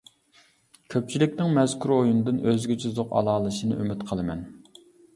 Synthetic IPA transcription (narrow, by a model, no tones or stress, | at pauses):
kʲʰøp̚t͡ʃʰilɪkʲnɪŋmɛzkʲʰuɾojunɨd̪ɨnøzɡʲit͡ʃʰizoqɑ̰lˠɑːlˠɨʃinɨ̰ʔymɪt̪qʰəlˠɨmɛ̰n